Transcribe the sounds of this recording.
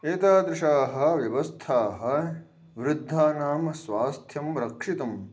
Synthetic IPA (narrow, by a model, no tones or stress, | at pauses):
eːt̪aːd̪ɾɪʂaːɦɐ̆ʋjɐʋɐst̪ʰaːɦɐ̆ | ʋɾɪd̪ʱːaːnaːmɐsʋaːst̪ʰjɐmɾɐkʂit̪ɐm